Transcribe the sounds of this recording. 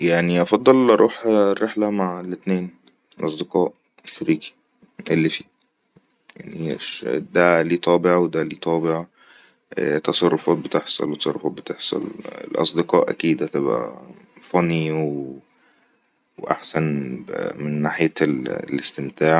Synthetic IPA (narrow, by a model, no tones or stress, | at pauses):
jaʕniʔɑfɑd̪ˤːɑlʔɑɾˤʔuːħrːeħlæmaʕelet̪neːn | lʔɑsˤd̪eqɑːʔ | ʃɑɾiːki̥ | ʔelːifiː | ja̰ʕniʃd̪æliːt̪ˤɑːbeʕawed̪æliːt̪ˤɑːbeʕɑ | t̪ɑsˤɑrˤːofɑːt̪̚bet̪eħsˤɑ̰lt̪ɑ̥sˤɑrˤofɑːt̪̚bet̪eħsˤɑ̰lḛlʔɑ̰sˤd̪eqɑːʔæ̰kiːd̪hæt̪ebʔæ̰fæniwe | wʔa̰ħsænmenːaːħejælest̪emt̪aːʕ